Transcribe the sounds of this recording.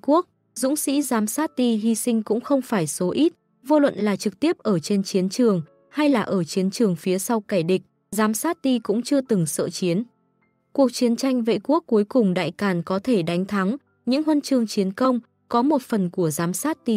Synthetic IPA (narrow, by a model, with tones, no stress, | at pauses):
ku˦˥ək̚ | zʊ̰˧˥ŋ͡msḭ˧˥zaː˨˦msaː˦˥t̚t̪i˧ɦi˧sï˧ŋ̟kʊ̰˧˥ŋ͡mxə˧wŋ͡mfaː˧˩jso˨˦ʔi˦˥t̚ | vo˧lwə̰˧˨nlaː˨˩t͡ɕɨ˨˩k̚t̪i˦˥əp̚ʔəː˧˩t͡ɕe˧nt͡ɕi˨˦ənt͡ɕɨ˨˩əŋ | ha˧jlaː˨˩ʔəː˧˩t͡ɕi˨˦ənt͡ɕɨ˨˩əŋfi˨˦əsa˧wkaː˧˩jɗï˨˩k̟̚ | zaː˨˦msaː˦˥t̚t̪i˧kʊ̰˧˥ŋ͡mt͡ɕɨ˧ət̪ɨ˨˩ŋsə̰ː˧˨t͡ɕi˨˦ən | ku˨˩ək̚t͡ɕi˨˦ənt͡ɕa˧jŋ̟vḛ˧˨ku˦˥ək̚ːu˨˦jkʊ˨˩ŋ͡mɗa̰ː˧˨jkaː˧˩nkɔ˨˦t̪ʰe˧˩ɗa˨˦jŋ̟t̪ʰa˨˦ŋ | ɲɨ̰˧˥ŋhwə˧nt͡ɕɨ˨˩əŋt͡ɕi˨˦ənkə˧wŋ͡m | kɔ˨˦mo˨˩t̚fə˨˩nku˧˩əzaː˨˦msaː˦˥t̚t̪i˧